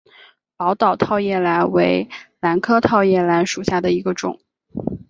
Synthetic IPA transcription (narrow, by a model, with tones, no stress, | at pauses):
pɑ˧˥ʊt̪ɑ˨˩ʊt̪ʰɑ˥˧ʊjɛ˥˩la˧˥nwe˧˥ɪla˧˥nkʰɤ˥t̪ʰɑ˥˧ʊjɛ˥˩la˧˥nʂu˨˩ɕja˥˩d̪ə˩i˧˥ɡə˧ʈ͡ʂʊ̰˨˩˦ŋ